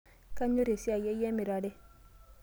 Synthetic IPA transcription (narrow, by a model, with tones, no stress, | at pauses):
ka˦ɲo˦ɾe˨si˦a˨je˦jɛ˦mi˨ɾa˨de˦